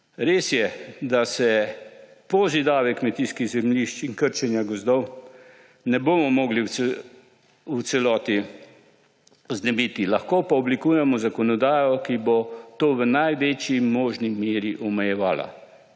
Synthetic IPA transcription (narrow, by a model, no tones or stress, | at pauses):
ɾeːsjɛd̪asɛ | poːzid̪aːʋɛkmɛt̪iːskiɣzɛmliʃt͡ʃiŋkəɾt͡ʃɛnjaɡɔzd̪ɔw | nɛboːmɔmɔːɡliwɛ | w̪sɛlɔːt̪i | ɔznɛbiːt̪ilaxkopaɔblikuːjɛmɔzakɔnɔd̪aːjɔkibot̪oːʋənajʋeːt͡ʃjimoːʒnimeːɾiʔɔmɛjɛʋaːla̰